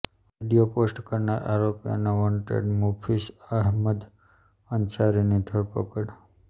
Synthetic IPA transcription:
ʋiɖijoposʈkəɾnaɾʔa̰ɾopja̰naʋɔɳʈḛɖmupʰisəɦməd̪ | ənt͡ʃaɾinid̪ʱəɾpəkəɽ

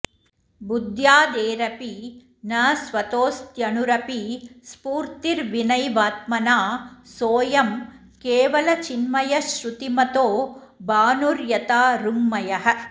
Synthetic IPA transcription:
bud̪jaːd̪eːɾɐpi | nɐːsʋɐt̪oːst̪jɐnuɾɐpispuːɾt̪iɾʋinɐjʋaːt̪̚mɐnaːsoːjɐm | keːʋɐlɐt͡ʃinmɐjɐʃɾut̪imɐt̪oːbaːnuɾjɐt̪aːɾumːɐjɐɦɐ̆

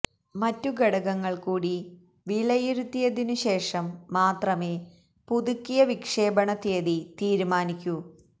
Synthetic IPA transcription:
mɐtːuɡeɽɐɣɐŋːɐɭkuːɽi | ʋiɭɐjiɾut̪ːijɐðinuɕe̞ːʂɐmːaːt̪rɐme̞ː | puðukːijɐʋikʂe̞ːbɐɳɐt̪eːðit̪iːɾumaːnikʲːu

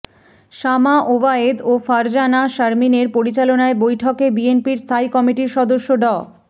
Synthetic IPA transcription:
ʃamaʔobaed̪ofaɾd͡ʑanaʃaɾmineɾpoɾit͡ɕalonaebojʈʰokebienpiɾst̪ʰaikɔmiʈiɾʃɔd̪oʃːoɖɔ

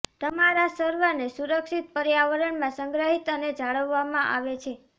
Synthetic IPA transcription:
t̪əmaɾasəɾʋənesuɾəkʃit̪̚pəɾjaʋəɾəɳmãsəŋɡɾəɦit̪əned͡ʒaɭəʋːamãʔa̰ʋet͡ʃʰe

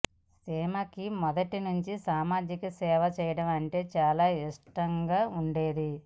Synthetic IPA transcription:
seːmɐkimɔd̪ɐʈinuɲt͡ʃisaːmaːd͡ʒikɐsɛːʋɐt͡ʃɛːjɐɽɐmɐɳʈe̞ːt͡ʃaːlaːiʂʈɐŋɡaːuɳɖe̞ːd̪i

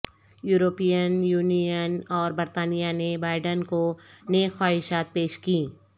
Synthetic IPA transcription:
juːɾoːpijənjuːnijənɔːɾbɐɾt̪aːnijanebaːɪɖənkoneːɡxwaːɦɪʃaːt̪̚peːʃkĩː

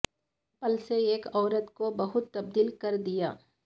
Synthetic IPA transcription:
pɐlseeːkɔːɾət̪kobɐɦʊt̪ːɐbd̪iːlkɐɾd̪ijaː

